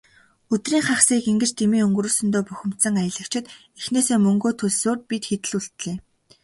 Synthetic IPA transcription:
ɵt̪riːŋχaχsiːkeŋɡɘ̆t͡ɕt̪ʰemiːɵŋɡɾuːɮsɵ̆nt̪oːpɵxʲɪ̆m̥t̪sə̆ŋajə̆ɮə̆kt͡ɕʰɪ̆t̪ | exneːseːmɵŋɡoːt̪ʰɵɮsoːrt̪̚pit̪xet̪ɘ̆ɮuɬt̪ɮeː

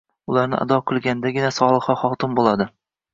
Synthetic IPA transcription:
ʊlˠaɾnɪ̰ʔa̰d̪ɒqʰɨlˠɡʲanɪd̪aɡʲɪnasɒlˠɨχɒχɒt̪ɪmbolˠad̪ɪ

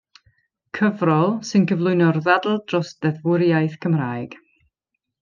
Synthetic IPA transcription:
kʰəvrɔlˠsɨnkʰəvlˠʊɨnɔrðadl̩ˠd̥rɔsd̥ɛðwʊɾjajθkʰəmraːjɡ̥

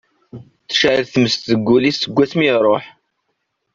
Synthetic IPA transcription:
θʃaʕəɾθməst̪ðəɡʷːulisːəɡʷːæθmiɾˤoħ

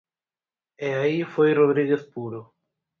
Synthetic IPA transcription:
eaifojroðɾiɣeθpuɾo

